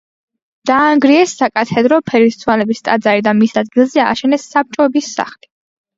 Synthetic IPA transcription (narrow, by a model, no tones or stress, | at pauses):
d̪̥aːŋɡɾiɛsːakʼat̪ʰɛd̪ɾɔpʰɛɾist̪sʰwalɛbist̪ʼa̰d̪zaɾid̪amisad̪ɡilˠzɛa̰ʃɛnɛsːap̚t͡ʃʼɔɛbisːa̰χli